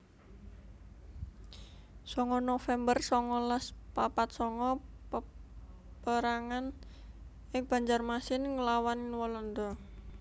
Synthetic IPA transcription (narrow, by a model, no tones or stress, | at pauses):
sɔŋɔnofɛmbərsɔŋɔlaspapat̪̚sɔŋɔə | pəɾaŋan | ʔɪŋb̥a̤ɲd͡ʒarmasɪnŋəlawanɪnwɔlɔnd̪ɔ